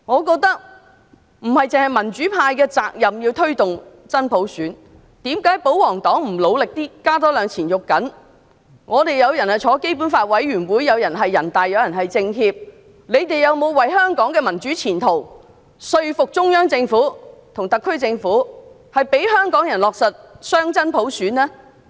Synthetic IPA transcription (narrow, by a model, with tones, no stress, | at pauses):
ŋɔː˨˧kɔː˧k̚t̪ɐ˥k̚ | m̩˨˩hɐ˨jt͡sɪ˨ŋhɐ˨jmɐ˨˩nt͡syː˨˥pʰaː˧jkɛː˧t͡saː˧k̚jɐ˨mjiː˧wt̪ʰɵ˥ɥt̪ʊ˨ŋ | t͡sɐ˥npʰo˨˥wsyː˨˥n | t̪iː˨˥mkaː˨˥jpo˨˥wwɔː˨˩ŋt̪ɔː˨˥ŋm̩˨˩lo˨˧wlɪ˨k̚t̪iː˥kaː˥t̪̬ɔː˥lœː˨˧ŋt͡sʰiː˨˩njʊ˨kkːɐ˨˥n | ŋɔː˨˧t̪e˨jjɐ˨˧wjɐ˨˩nhɐ˨jt͡ʃʰɔː˨˧˥ke˥jpu˨˥nfaː˧t̚wɐ˨˥jɥyː˨˩nwuː˨˥jjɐ˨˧wjɐ˨˩nɦɐ˨jːɐ˨˩nt̪aː˨jːɐ˨˧wjɐ˨˩nɦɐ˨jt͡sɪ˧ŋhiː˧p̚ | le˨˧jt̪e˨jɐ˨˧wmo˨˧wwɐ˨˩jɦœː˥ŋkɔː˨˥ŋkɛː˧mɐ˨˩nt͡ʃyː˨˥t͡sʰiː˨˩nt̪ʰo˨˩w | sɵ˧ɥfʊ˨k̚t͡sʊ˥ŋjœː˥ŋt͡sɪ˧ŋfuː˨˥t̪ʰʊ˨˩ŋt̪ɐ˨kʰːɵ˥ɥt͡sɪ˧ŋfuː˨˥ | hɐ˨jpe˨˥jɦœː˥ŋkɔː˨˥ŋjɐ˨˩nlɔː˨k̚sɐ˨t̚sœː˥ŋt͡sɐ˥npʰo˨˥wsyː˨˥nlɛː˥